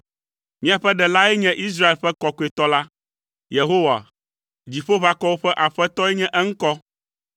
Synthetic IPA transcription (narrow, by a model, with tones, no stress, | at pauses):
mĩ˦a˨ɸɛ˦ɖɛ˨la˦ɛ˦ɲɛ̃˦ʔi˦s̬ɾa˦e˨lɸɛ˦kɔ˨ko˨˦e˨t̪ɔ˦la˦ | je˨ɦo˦wa̰˨ | d͡ʑi˨ɸo˦βa˨˦kɔ˦wo˦ɸɛ˦ʔa˨ɸɛ˦t̪ɔ˦ɛ˦ɲɛ̃˦ʔɛ˦ŋ̩˦kɔ˦